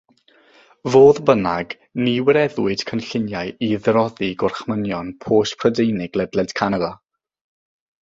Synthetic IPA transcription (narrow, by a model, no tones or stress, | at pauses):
voːðbənaɡ | niwɛɾɛðwɨd̥kʰənɬɪnjajiðrɔðiɡʊrχmənjɔnpʰoːʃpʰrədejnɪɡlɛdlɛd̥kʰanaða